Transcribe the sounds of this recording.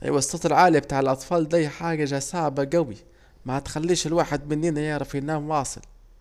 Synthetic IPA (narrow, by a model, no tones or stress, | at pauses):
ʔjwɑsˤːɑt̪ˤɪlʕaːliabt̪aːʕɪlʔɑt̪ˤfɑːld̪ajħaːɡaʒasaʕbaɡawi | mahat̪xalːiːʃɪlwaːħɪd̪mɪnːiːnajɑʕɾˤɑfinːaːmwɑːsˤɨ̰l